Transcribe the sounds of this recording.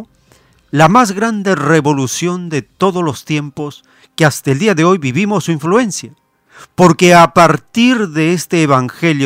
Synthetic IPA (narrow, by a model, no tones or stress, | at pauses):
lamazɣɾand̪e̞re̞βo̞lusjo̞nd̪e̞t̪o̞ðozlo̞st̪je̞mpo̞s | keast̪aeld̪iaðeo̞jβiβimo̞sːuiɱflue̞nsja | po̞ɾke̞apaɾt̪iɾðe̞est̪eːβaŋxe̞ljo